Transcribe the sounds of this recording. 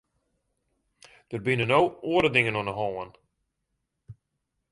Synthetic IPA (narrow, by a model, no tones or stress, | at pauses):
d̥ərbɪnənowoːəɾədɪŋənɔnəɦɔːən